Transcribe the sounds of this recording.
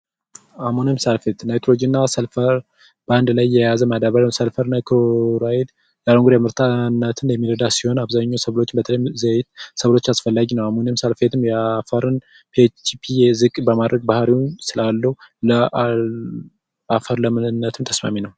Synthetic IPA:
amonamsalfet̪najt̪ʰolod͡ʒinːasəlfəɾ | band̪lajːɛjazəmad̪aβalsəlfəɾnakʰoɾajid̪ | jaloŋɡuɾjamɨɾt̪ʰanːət̪ʰɨnjɛmːiɾəd̪asiho̞naβzaɲːawsəβlo̞t͡ʃːɪmbət̪ʰələjzəjt̪səβlo̞t͡ʃːasfəlːaɡinəwamonmsalfe̞t̪ʰɨmjɛafəɾɨn | pʰet͡ʃipʰijzɨkʼbəmad̪ɾəɡ̚bahɾiwnsɨlalːəhulə | afəɾləmɨɨnːət̪ʰɨmt̪ʰə̥sma̰minəw

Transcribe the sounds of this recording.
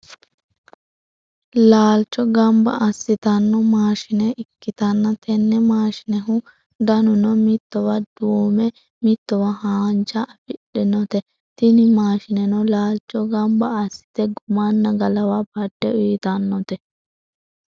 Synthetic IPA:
laːlt͡ʃːɔɡɐmbɐ̰ʔɐsːɪt̪ɐnːɔmaːʃɪnɛʔɪkːɪt̪ɐnːɐt̪ɛnːɛmaːʃɪ̥nɛɦʊ | d̪ɐnʊnɔmɪt̪ːɔwɐd̪̥uːmɛ | mɪt̪ːɔwɐhaːnt͡ʃɐʔɐfɪɗɪnɔt̪ɛ | t̪ɪnɪmaːʃɪnɛnɔlaːlt͡ʃːɔɡɐmbɐɐsːɪ̥t̪ɛɡʊmanːɐɡɐlɐwɐbɐdːɛʊjɪt̪ɐnːɔt̪ɛ

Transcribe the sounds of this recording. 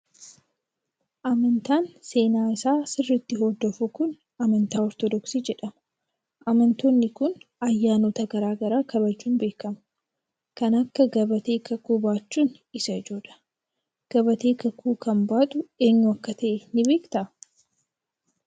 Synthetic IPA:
ʔɐmɐnt̪aːnse̞ːnaːɪsaːsɪrːɪt̪ːɪɦɔd̪ɔfʊkʊn | ɐmɐnt̪aːɔɾt̪ɔd̪ɔksiːd͡ʒɛᶑɐmɐ | ʔɐmɐnt̪onːɪkʊnɐjːaːnoːt̪ɐɡɐɾaːɡɐɾaːkɐβɐd͡ʒːuːnbe̞ːkɐmɐ̥ | kɐnɐkːɐɡɐbɐt̪e̞ːkʰɐkuːbaːt͡ʃːuːn | ɪsɐɪd͡ʒoːᶑɐ̥ | ɡ̥ɐbɐt̪e̞ːkɐkʰuːkɐmbaːt̪ʼʊe̞ːɲːʊɐkːɐt̪ɐʔɛnɪbe̞ːkt̪ɐ

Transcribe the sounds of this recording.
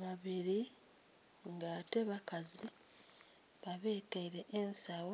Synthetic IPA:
βaβiɾi | ŋɡate̞βakazi | βaβe̞ːtaiɾe̞ʔensawo

